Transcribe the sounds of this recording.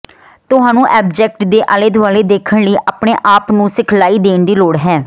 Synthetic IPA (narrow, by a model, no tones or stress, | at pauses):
t̪ʊɦaːnũːʔɛːbd͡ʒɛːk̚ʈd̪eːʔəːled̪ʋaːleːd̪eːkʰəɳləiːʔaːpɳeːʔaːpnũːsɪkʰlaːiːd̪eːɳd̪iːloːɽɦɛː